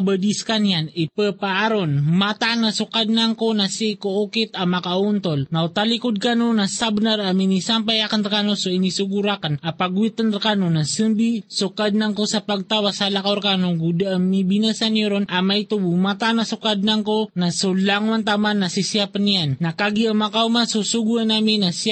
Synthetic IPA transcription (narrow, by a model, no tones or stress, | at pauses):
abəd̪iskanjanipəpaʔaɾonmat̪anasʊkad̪̚naŋkonasikookit̪amakaunt̪olnaut̪alikod̪̚kanonasabnaɾaminisampajakanɾkanosoinisuɡuɾakanapaɡwit̪ənɾakanonasɨmbisʊkad̪̚naŋkosapaɡ̚t̪awasalakawɾkanoɡud̪aaŋmibinasanjoɾonʔamajt̪ubumat̪anasʊkad̪̚naŋkonasulaŋwant̪amanːasisjapanijanːakaɡiamakaumasusuɡuanamɪnas